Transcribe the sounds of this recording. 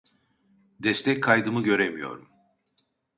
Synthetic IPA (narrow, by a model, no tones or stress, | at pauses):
d̪ɛst̪ʰɛc̚kʰajd̪ɯmɯɟø̞ɾemijo̞̰ɾum